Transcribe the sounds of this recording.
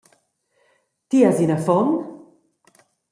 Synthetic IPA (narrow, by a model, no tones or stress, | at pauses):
t̪iazinəfɔn